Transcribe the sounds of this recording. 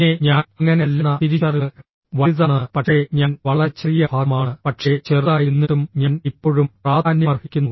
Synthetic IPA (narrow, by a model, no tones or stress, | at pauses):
ne̞ɲaːnɐŋːɐnelːɐnːɐt̪iɾit͡ɕɐrɐɭ | ʋɐðɐɳɐɨpɐʈʂe̞ɲaːnʋɐɭɐt͡ɕːɐrijɐbʱaːɡmaːɳɨpɐʈʂe̞t͡ɕe̞ːrðaːjinːiʈːumɲaːnipːo̞ːɻumpraːd̪ʱaːnjɐmɐrhikʲːunːɐ